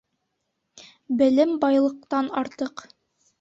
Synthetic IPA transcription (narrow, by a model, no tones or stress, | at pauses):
bɘ̆lɘmbɑjlˠɤ̆q̚t̪ɑnɑɾt̪ɤq